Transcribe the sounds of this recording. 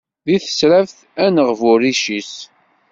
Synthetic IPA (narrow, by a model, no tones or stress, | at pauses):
ðiθə̥sɾævθ | ænəʁvʊɾiʃis